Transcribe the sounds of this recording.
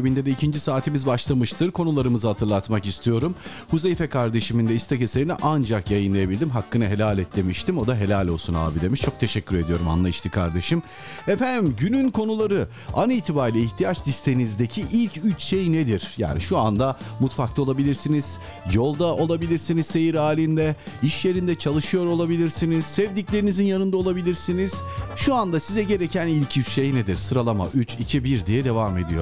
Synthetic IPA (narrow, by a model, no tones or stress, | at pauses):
bind̪ɛd̪ɛicʰind͡ʒisaːt̪ʰimizbaʃlˠamɯʃt̪ʰɯɾkʰo̞nulˠaɾɯmɯzɯhat̪ʰɯɾlˠat̪makist̪ʰijo̞ɾum | huzejfɛkʰaɾd̪e̞ʃimind̪ɛist̪ʰɛceselʲinḭʔand͡ʒakjajɯnlˠajabilʲd̪imɦakːɯnɯɦe̞lʲalʲɛt̪lʲe̞miʃt̪ʰimo̞d̪aɦe̞lʲalʲo̞lˠsuna̰ːbid̪emiʃt͡ʃʰo̞k̚t̪ʰe̞ʃɛcʲːyɾe̞d̪ijo̞ɾuma̰nlˠaiʃt̪ʰikʰaɾd̪e̞ʃɯm | efænmɟynynkʰo̞nulˠaɾɯ | aniːt̪ʰibaɾlʲiiçt̪ʰijat͡ʃsist̪ʰejinizd̪ecʰiʔilʲcʰyt͡ʃʃejned̪iɾ̥ja̰ːnḭʃuand̪amut̪faklʰɯo̞lˠabilʲiɾsiniz̥ | jo̞lˠd̪aʔo̞lˠabilʲiɾsiniz̥se̞jiɾaːlʲind̪ɛiʃje̞ɾind̪ɛt͡ʃʰalˠɯʃɯjo̞ɾo̞lˠabilʲiɾsiniz̥sɛvd̪iclʲe̞ɾinizinjanɯnd̪aolˠabilʲiɾsiniz̥ʃuand̪asizɛɟe̞ɾecʰænilʲcʰyt͡ʃʃejned̪iɾsɯɾalˠama̰ʔyt͡ʃit͡ʃʰibiɾd̪ijɛd̪e̞vame̞̰d̪ijo̰